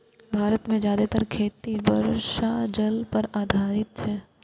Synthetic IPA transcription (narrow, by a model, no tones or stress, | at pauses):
bʱaːɾət̪mẽd͡ʒjaːd̪et̪əɾkʰeːt̪ibɐɾʃad͡ʒɐlpɐɾaːd̪ʱaːɾɪt̪t͡ʃɛː